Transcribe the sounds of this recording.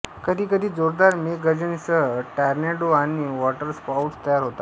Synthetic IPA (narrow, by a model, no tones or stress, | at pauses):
kəd̪ʱiːkəd̪ʱiːd͡zoɾd̪aɾmekɡəd͡ʑənsəʈaɾneʈoaniʋɔʈəɾspawʈst̪əjaɾɦot̪a